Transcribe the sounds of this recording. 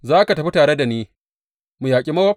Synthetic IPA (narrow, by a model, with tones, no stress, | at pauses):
zaː˦ka˨tɐ˨ɸi˦taː˨ɽe˦da˨niː˦ | mu˨jaː˨kʲʼi˦mɐ˦wɐ˦